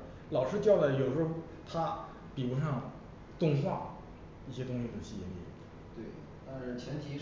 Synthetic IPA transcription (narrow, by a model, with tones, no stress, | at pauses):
lɑ˨˩ʊʂɻ̩˥t͡ɕjɑ˥˩ʊla˩jo˨˩ʂxo˥˩ | t̪ʰa˥ | pi˨˩ɻu˧˥ʂɑ˥˧ŋ | t̪ʊ˥˧ŋfɑ˥˩ŋ | i˥˩ɕjɛ˥t̪ʊ˥ŋɕi˨˩d̪ə˩ɕi˥˩jɛ˧˥nḭ˥˩˥ | t̪we˥˩ɪ | t̪a˥˧nʂɻ̩˥˩t͡ɕʰjɛ˧˥nt̪ʰi˧˥